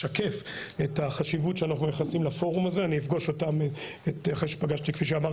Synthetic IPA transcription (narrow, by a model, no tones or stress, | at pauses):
ake̞fe̞taχaʃivutʃeanaχnumejaχesimlafo̞ʁumazeaniifɡoʃo̞tam | eteχeʃe̥paɡaʃtikfiʃ̬eamaʁ